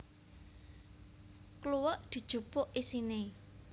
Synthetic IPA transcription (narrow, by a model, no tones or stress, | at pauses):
kluwəʔd̪̥i̤d̥ʒ̥ṳpʊʔisine